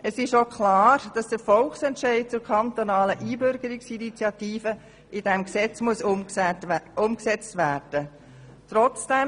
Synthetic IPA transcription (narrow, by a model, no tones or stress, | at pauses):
əsɪʃokʰlɑːɾd̥ɑsd̥əɾfɔlχsɛntʃɛɪd̚t͡sʊɾkʰɑnt̪onɑːləʔiːbøɾɡ̥əɾɪksinit͡sjɑt̪iːfə | ʔid̥ɛmksɛt͡smuəs | ʊmksɛt͡stʋæːrd̥ə | t̪ɾɔt͡sd̥ɛm